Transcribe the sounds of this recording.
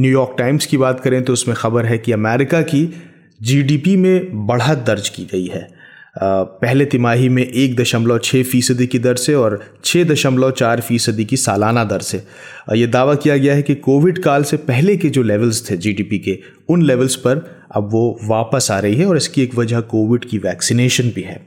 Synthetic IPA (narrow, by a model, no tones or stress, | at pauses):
njuːjɔːɾk̚ʈaːɪmz̥kibaːt̪kɐɾẽt̪oʊsmẽxɐbəɾɦɛkiɐmɛːɾɪkaki | d͡ʒiːɖiːpimẽbɐɽ̤ad̪ɐɾd͡ʒkḭɡɐiɦɛː | pɛɦlet̪ɪmaːɦimẽʔeːk̚d̪ɐʃəmlɔt͡ʃʰeːfiːsəd̪ikid̪ɐɾseɔːɾt͡ʃʰeːd̪ɐʃəmlɔt͡ʃaːɾfiːsəd̪ikisaːlaːnad̪ɐɾse | jed̪aːʋakijaɡɐjaɦɛkikoːʋɪɖkaːlsepɛɦleked͡ʒoːlɛːʋəlzt̪ʰed͡ʒiːɖiːpike | ʊnlɛːʋəlzpɐɾ | ɐ̰bʋoʋaːpəsaːɾɐiɦɛɔːɾɪskieːkʋɐd͡ʒakoːʋɪɖkiʋɛːksineːʃənbʱiɦɛ̰ː